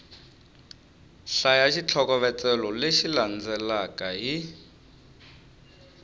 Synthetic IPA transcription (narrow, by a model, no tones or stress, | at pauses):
ɬajaʃit͡ɬʰɔkɔβɛt͡sɛlɔleʃiland͡zɛlakaɦi